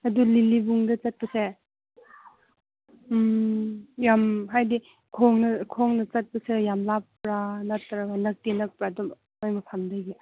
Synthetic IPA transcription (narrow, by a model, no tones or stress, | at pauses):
ɐdulilibuŋdɐt͡ʃɐt̚pɐse | jamɦajdi | kʰɔŋnɐkʰɔŋnɐt͡ʃɐt̚pɐsejamlapɾanatːɐɾakanɐk̚tinɐk̚pɾadɔm | ajbɐpʰamdajɡi